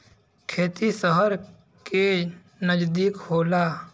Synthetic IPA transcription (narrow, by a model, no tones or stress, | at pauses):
kʰeːt̪isəɦəɾ | ke | nəd͡ʒd̪iːkhoːla